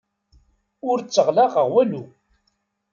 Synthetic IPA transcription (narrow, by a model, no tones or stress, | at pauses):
ʊɾt͡sːəʁlaʁəʁwælu